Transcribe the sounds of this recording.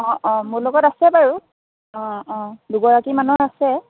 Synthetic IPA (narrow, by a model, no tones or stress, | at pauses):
ɔ̃ʔɔ̃muɹlɔɡɔtasɛpaɹu | ɔ̃ɔ̃duɡɔɹakimanuasɛ